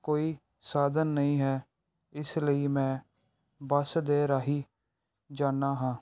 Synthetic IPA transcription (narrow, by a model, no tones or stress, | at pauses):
koːiː | saːd̪ənːəĩːɦɛː | ɪsləiːmɛ̃ː | bəsd̪eːɾaːɦiː | d͡ʒaːnːaːɦãː